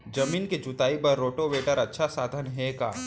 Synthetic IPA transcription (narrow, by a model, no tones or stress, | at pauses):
d͡ʒɐmiːnked͡ʒʊt̪aːipɐɾːoːʈoʋeːʈəɾɐtːʃʰasaːd̪ʱənɦɛka̰ː